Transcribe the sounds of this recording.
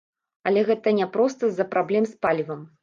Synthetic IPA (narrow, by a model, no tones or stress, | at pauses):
ɐlʲɛɣɛt̪ɐnʲɛpɾɔst̪ɐzɐpɾablʲɛmspalʲivɐm